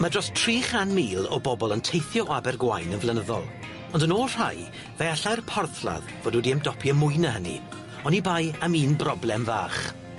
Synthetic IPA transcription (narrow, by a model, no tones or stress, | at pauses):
madrɔstʰriːχanmiːlˠɔ̰bɔbɔlˠəntʰejθjɔʔabɛrɡwajnənvlˠɛnəðɔ̰lˠ | ɔndənoːlˠr̥aj | veaɬajrpʰɔrθlˠa̰ðv̥oːdudiəmdɔpʰiəmʊjnəɦənḭ | ɔnibajamiːnbrɔblˠɛmvaːχ